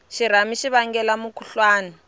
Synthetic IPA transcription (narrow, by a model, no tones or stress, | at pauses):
ʃiɾamiʃiβaŋɡɛlamukʰuɬwaːna